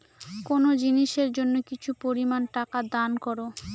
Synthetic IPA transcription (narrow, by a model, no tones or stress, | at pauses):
konod͡ʑiniʃeɾd͡ʑonːokit͡ɕʰupoɾimanʈakad̪ankɔɾo